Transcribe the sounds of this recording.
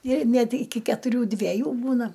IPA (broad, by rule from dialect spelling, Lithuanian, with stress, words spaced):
ɪr ˈnʲɛt ɪˈkʲɪ kʲɛtʊˈrʲuː dʲʋʲɛˈjuː ˈbuːnɐ